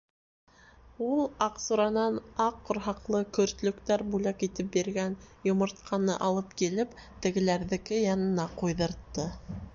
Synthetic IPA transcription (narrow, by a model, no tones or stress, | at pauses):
ulˠɑqsuɾɑnɑnɑqːŏɾɦɑqlˠɤkɵ̆ɾt̪lɵ̆kt̪æɾbʉlækit̪ɘp̚biɾɡænjŏmŏɾt̪̚qʰɑnɤʔɑlˠɤp̚kilɘpt̪ɘ̆ɡɘ̆læɾðɘ̆kɘjɑnɤ̆nɑqujðɤ̆ɾt̪ːɤ